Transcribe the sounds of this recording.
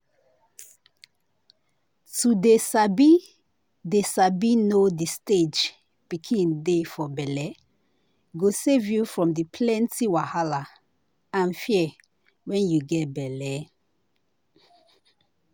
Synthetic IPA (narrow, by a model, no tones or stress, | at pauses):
tudesabi | desabinodisted͡ʒ | pikʰĩndefɔbɛlɛ | ɡosevjufɹɔ̃mdipʰlɛ̃ntiwahala | ãnfiɛ | wɛ̃njuɡɛt̚bɛlɛ